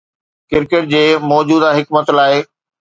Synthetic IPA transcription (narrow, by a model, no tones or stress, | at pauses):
kɪɾkeːʈ̚d͡ʑeːmɔːd͡ʑuːd̪aɦɪkmət̪laːɪ